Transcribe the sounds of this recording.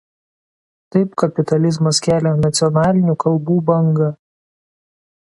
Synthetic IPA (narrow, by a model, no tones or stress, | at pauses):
t̪ɐɪpkɐpʲɪt̪ɐlʲɪzmɐskʲæːlʲɛnɐt̪sʲɪɔnɑːlʲɪnʲuːkɐlˠˑbuːbɐŋɡɐ